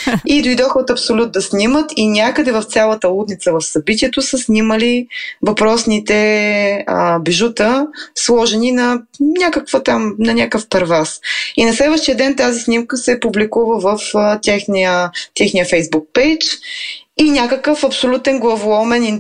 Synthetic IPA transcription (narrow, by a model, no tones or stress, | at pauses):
id̪ojd̪ɔxot̪ɐpsolʲut̪̚d̪ɐsnʲimət̪inʲakəd̪ɛvɐft̪sʲjalˠət̪əlˠud̪nit̪səvɐfsɐbit̪̬iɛt̪osəsniməlivɐpɾɔsnit̪ɛ | biʒut̪əslˠɔʒɛninɐnʲakəkvət̪amnɐnʲakəfpɛɾvasinɐslɛd̪vəʃt̪ijəd̪ɛnt̪azisnʲimkəsɛpublikuvəvəft̪ʲɛxniət̪ɛxnijəfɛjzbuk̚pɛjt͡ʃ | inʲakəkəfɐpsolʲut̪ɛnɡlˠɐvʊɔmɛnin